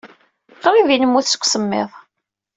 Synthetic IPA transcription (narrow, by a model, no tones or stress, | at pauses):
qɾivinəmːuθsə̥kʷːsəmːɪ̰ðˤ